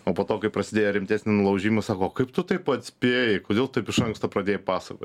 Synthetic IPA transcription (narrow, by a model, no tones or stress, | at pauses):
oːpoːt̪oːkɐɪpɾɐsʲɪd̪ʲeːjɛɾʲɪmʲt̪ʲæːsʲnʲɪnʊlˠɐʊʒʲiːmɐsɑːkoːkɐɪpt̪ʊt̪ɐɪpɐt̪ʲsʲpʲeːjɪkoːd̪ʲeːlˠt̪ɐɪpɪʃɐŋkst̪opɾɐd̪ʲeːjɛpɑːsɐko̰ːtʲ